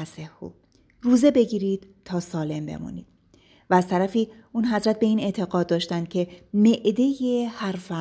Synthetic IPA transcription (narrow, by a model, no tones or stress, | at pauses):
sehːo̰ | ruːze̞be̞ɟiːɾiːd̪̥̚ | t̪ʰːɒːsɒːle̞mbe̞̰mṵnḭːd̪̥̚ | væːz̥t̪ʰæɾæfiː | uːnɦæzɾæt̪̚be̞iːne̞t̪ʰe̞ɣɒːd̪̚d̪ːɒːʃt̪ænd̪̥̚cʲʰe̞me̞ʔd̪e̞jehæɾfæ